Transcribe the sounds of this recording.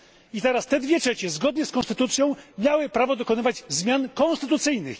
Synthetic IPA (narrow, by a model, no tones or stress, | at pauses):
it̪ɛɾast̪ɛd̪vʲjɛtʂɛt͡ɕɛzɡɔd̪ɲɛskɔnst̪ɘt̪ut̪sʲjɔ̃w̃mʲjawɘpɾavɔd̪ɔkɔnɘvad͡ʑzmʲjankɔ̃nst̪ɘt̪ut̪sɘjnɘx